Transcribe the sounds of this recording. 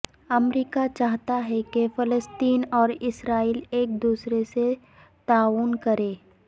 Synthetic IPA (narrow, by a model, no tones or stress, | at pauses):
ɐmɾiːkat͡ʃaːɦt̪aɦɛkefɪləst̪iːnɔːɾɪsɾaːiːleːk̚d̪uːsɾese | t̪aːʋʊnkɐɾẽː